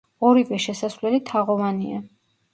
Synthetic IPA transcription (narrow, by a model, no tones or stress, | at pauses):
ɔɾivɛʃɛsasvlɛlit̪ʰaʁɔvania̰